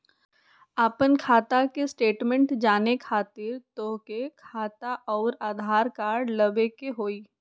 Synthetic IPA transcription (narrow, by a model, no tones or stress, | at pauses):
aːpənkʰaːt̪akesʈeːʈmɛ̃ɳʈd͡ʒaːnekʰaːt̪ɪɾt̪oːkekʰaːt̪aʔɔːɾaːd̪ʱaːɾkaːɖlɐbekeɦoːiː